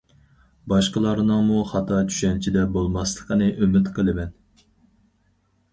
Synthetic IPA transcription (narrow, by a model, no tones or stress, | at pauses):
bɑʃqəlˠɑɾnɨŋmuχɑt̪ʰɑt͡ʃʰy̥ʃɛnt͡ʃʰid̪ɛbolˠmɑslˠəqənɨʔymɪt̪qʰəlˠɨmɛn